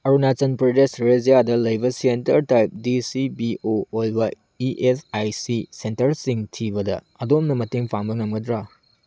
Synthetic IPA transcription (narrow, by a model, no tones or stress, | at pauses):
ɐɾunat͡ʃɐnpɾɐdesɾezijadɐlɐjbɐsentɐɾtajp̚disibiʔoːlbɐ | iʔesajsisentɐɾsiŋtʰibɐdɐ̰ | ɐdomnɐmɐteŋpʰaŋbɐŋɐmɡɐdɾa